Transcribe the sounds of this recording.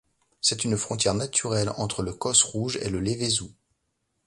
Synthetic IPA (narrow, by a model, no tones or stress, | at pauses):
sɛt̪ynfχɔ̃t̪jɛʁnat̪ʰyʁɛlɑ̰̃t̪χələkɔsʁuʒḛləlevezu